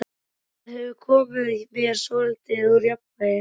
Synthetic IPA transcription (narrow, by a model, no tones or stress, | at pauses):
hɛvʏkʰɔːmɪðimjɛɾ̥sɔːɪlt̪ɪuɾjɔp | ajɪ